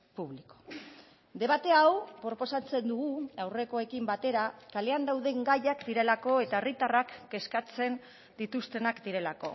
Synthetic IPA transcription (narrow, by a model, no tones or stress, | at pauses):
puβliko̥ | d̪e̞βat̪e̞awpɾo̞po̞sat͡se̞nd̪uɣuawre̞ko̞e̞kimbat̪e̞ɾakale̞and̪awðe̞ŋɡajakd̪iɾe̞lako̞e̞t̪ae̞rit̪arakːe̞skat͡se̞n | d̪it̪ust̪e̞nakd̪iɾe̞lako̞